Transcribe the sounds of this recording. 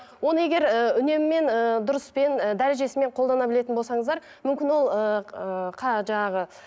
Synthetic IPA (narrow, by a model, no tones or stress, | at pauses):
wo̞nəe̞ɡʲe̞ɾəʏne̞mɪme̞nəd̪ʊɾəspe̞nəd̪æɾe̞ʒe̞sɪme̞ɴqʰo̞lˠd̪ɑnɑbɪle̞t̪ɪnbolˠsɑɴəzd̪ɑɾ | mʏmkʲɪnwo̞lˠəəqʰɑʒɑɴɑʁə